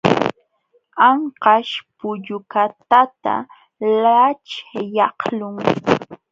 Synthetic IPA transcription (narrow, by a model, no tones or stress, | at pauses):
ɑɴqɑʃpʊʎʊkat̪at̪a̰ | lat͡ʃjɑhlʊŋ